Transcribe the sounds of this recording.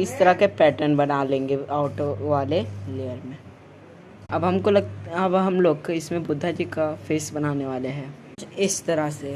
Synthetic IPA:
ɪst̪ɐɾakepɛːʈəɾnbɐnalẽːŋɡeaːʈoʋaːlelejəɾmẽ | ɐbɦɐmkolɐɡɐbɦɐmloːɡkeɪsmẽbʊd̪ʱːad͡ʒikafeːsbɐnaːneʋaːleɦɛ̃ː | ɪst̪ɐɾase

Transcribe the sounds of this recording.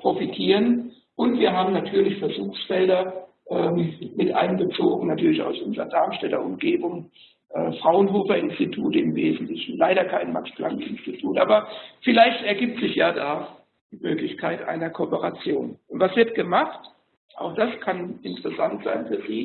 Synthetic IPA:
pʁ̥ofitʰiːʁən | ʔʊntv̥iːɐɦaːbm̩natʰyːɐlɪçfɛɐzuːxsfɛldɐ | ʔɛːmmɪtʔa̰ɪnɡət͡soːɡŋ̩natʰyːɐlɪça̰ʊsʔʊnzəʁɐ̰daɐmʃtɛtɐ̰ʔʊmɡeːbʊŋ | ʔɛ̰ːfʁ̥aʊənɦoːfɐɪnstitʰuːtəɪmveːzn̩tlɪçn̩laɪɾɐkʰaɪnma̰kspla̰nɪnstitʰuːtʔa̰ːbɐfɪlaɪçtɛɐɡiːp̚tz̥ɪçjaːdaː | d̥iːmøːklɪçkʰaɪtʔa̰ɪnɐkʰopəʁat͡sjoːnʊntv̥asv̥ɪɐt̚ɡ̥əmaχt | ʔa̰ʊxd̥askʰanɪntəʁɛsantz̥a̰ɪnfyːɐziː

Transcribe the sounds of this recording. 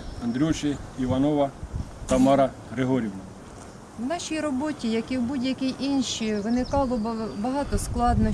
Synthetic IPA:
ɐnd̪ɾʲuʃɪiʋɐnɔʋɐ | t̪ɐmɑɾɐ | ɾeɦɔɾʲiwnɐ | wnɑʃʲijɾɔbɔtʲijɐkiwbudʲjɐkʲɪʔinʃiʋɪnɪkɑlˠɔbɐɦɑt̪ɔsklˠɑd̪nɔ

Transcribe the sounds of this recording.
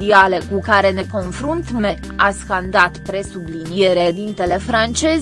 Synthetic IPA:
iale̞kukaɾe̞ne̞ko̞nfɾunt̪mme̞ | askand̪at̪pɾe̞sublinijeɾe̞d̪int̪e̞le̞fɾant͡ʃe̞z

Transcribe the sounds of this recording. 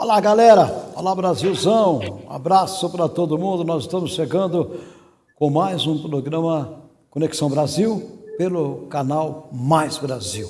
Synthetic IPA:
olaɡalɛɾɐo̰labɾaziwzɐ̃w̃ũa̰bɾasʊpɾɐt̪od̪ʊmũnd̪ʊnɔzɪst̪ɐ̃mʊsʃeɡɐ̃nd̪ʊ | kõmajzũpɾoɡɾɐ̃mɐ | koneksɐ̃w̃bɾaziwpelʊkanawmajzbɾaziw

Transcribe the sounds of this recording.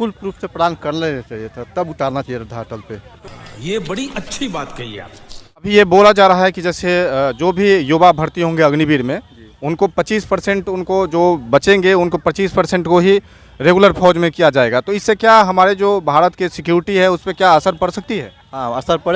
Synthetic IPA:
fʊlpɾuːfʰsepɾəd̪aːnkɐɾnlenet͡ʃaːɦijet̪ʰat̪ɐbʊʈaːɾnat͡ʃaːɦijeɾɐd̪ʱaʈəlpejebɐɽiʔɐtːʃʰibaːt̪kɐɦiḛa̰ːpɐbʱijeboːlad͡ʒaːɾaɦaɦɛkid͡ʒɛːsed͡ʒoːbʱijoːbabʱɐɾt̪iɦõːŋɡeɐɡnibiːɾmẽ | ʊnkopɐt͡ʃiːspɐɾsɛ̃ɳʈʊnkod͡ʒoːbɐt͡ʃẽŋɡeʊnkopɐt͡ʃiːspəɾsɛ̃ɳʈkoɦi | ɾeːɡuləɾpʰɔːd͡ʒmẽkijad͡ʒaːeːɡat̪oɪsːekjaɦɐmaːɾed͡ʒoːbʱaːɾət̪kesɪkjuːɾɪʈiɦɛ̃ʊspekjaəsəɾpɐɽsɐk̚t̪iɦɛː | ɦãːəsəɾpɐɽe

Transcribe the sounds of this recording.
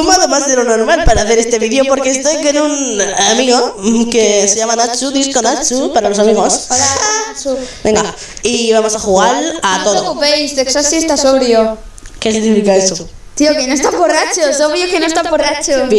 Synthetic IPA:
komoaðemazðelonoɾmalpaɾaβeɾest̪eβiðjopoɾkeest̪ekenuŋamiɣokeseʎamanat͡ʃuðiskonat͡ʃupaɾalosamiɣos | bẽŋɡa | iβamosaxuɣaɾat̪oðoβejsðeksasiest̪asoβɾjo | kesiɣnifikaest̪o | t̪iokenõest̪aborat͡ʃosoβɾjokenõest̪aporat͡ʃob

